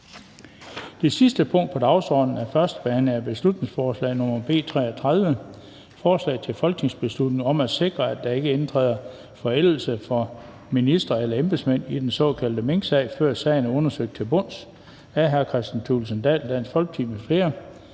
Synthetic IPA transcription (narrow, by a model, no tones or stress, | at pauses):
d̥e̝sisd̥əpʰɔ̽ŋ̰d̥̚pʰɒ̽d̥ɑ̈ʊsɒ̰ːd̥n̩æɐfɶɐsd̥əb̥ɛːnəæb̥e̝slud̥ne̝ŋsfɒːslɛ̰ːnɔmɐb̥e̝̰ːt͡sʰʁɛ̰ːɒt͡sʰʁað̞ˠʋə | fɒːslɛ̰ːɪt͡sʰe̝lfɒ̽lɡ̥ne̝ŋsb̥e̝slud̥ne̝ŋɒ̽mæ̥se̝ɡ̥ʁɐæd̥ɑ̈e̝ɡ̥əe̝nt͡sʰʁɛ̰ːðˠɐ | fɒ̽el̰l̩səfɒ | minisd̥ʁɐelɐemb̥smen̰id̥ensɒ̰̽kʰæl̰d̥əmeŋɡ̥sɛ̰ɪfɶɐ̰sɛ̰ɪnɔ̽nɐsøɡ̥̚t͡sʰe̝lb̥ɔ̽n̰s | æɐɦæɐkʰʁɛsd̥nt͡sʰulsənd̥ɛ̰ːld̥æn̰sfɒ̽lɡ̥̚t͡sʰiːməfle̝ːɐ